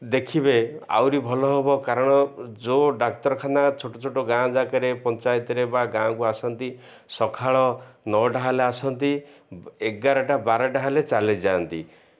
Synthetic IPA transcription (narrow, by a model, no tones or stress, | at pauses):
d̪ekʰibea̰wɾibʱɔlɔɦebɔkaɾɔɽ̃ɔd͡ʒoɖak̚t̪ɔɾɔkʰanat͡ʃʰoʈɔt͡ʃʰoʈoɡãd͡ʒakaɾepɔnt͡ʃajt̪ɔɾebaɡãkuasɔnt̪i | sɔkʰaɭɔnɔɖaɦaleasɔnt̪ieɡaɾɔʈabaɾɔɖaɦalet͡ʃaled͡ʒaːnt̪i